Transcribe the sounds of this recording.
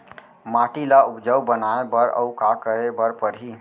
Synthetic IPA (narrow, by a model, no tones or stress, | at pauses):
maːʈilaʊpd͡ʒəwbənaebəɾə̰ʊkakəɾebəɾpəɾɦi